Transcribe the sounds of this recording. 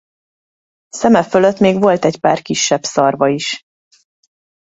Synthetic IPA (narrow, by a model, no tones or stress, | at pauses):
sɛmɛfølø̞t̪meːɡvo̞lt̪ɛcpaːrkiʃːɛbsɒrvɒiʃ